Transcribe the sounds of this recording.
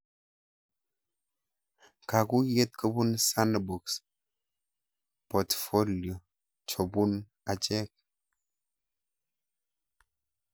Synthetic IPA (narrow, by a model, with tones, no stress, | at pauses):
ka˨ku˦je˦t̚kə˦bu˦nsa˦n˨bu˨ks | pɔ˨tfo˦ljo˨ | t͡ʃo˨bu˦n | a˨t͡ʃɛ˦k̚